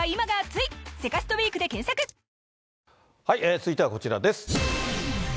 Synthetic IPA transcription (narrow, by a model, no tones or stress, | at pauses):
imaɡat͡sɨise̞kasɨ̥t̪o̞bʲiːkɯ̟d̪e̞kẽ̞ɰ̃sakɯ̟ | haiʔeːt͡sɨit̪e̞ako̞t͡ɕiɾa̰d̪e̞s